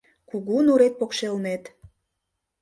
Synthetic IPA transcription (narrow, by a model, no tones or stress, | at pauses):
kuɣunuɾet̪̚pokʃelnet̪